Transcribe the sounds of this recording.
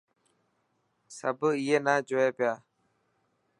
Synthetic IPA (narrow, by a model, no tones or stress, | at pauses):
səbiːeːnaːd͡ʒoːeːpɪjaː